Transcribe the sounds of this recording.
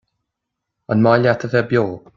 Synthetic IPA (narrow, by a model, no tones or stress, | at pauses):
ənmajljɛtʰəðɛbjɔ̥ː